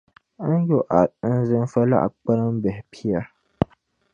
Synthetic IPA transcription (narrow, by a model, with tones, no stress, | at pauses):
a˦jo˨ʔa˨˦n˦zɪ˦n˦fa˦la̰˦ʔa̰˨k͡pə˦ɾa˦m˦bɛ˨hpʰi˦ja˦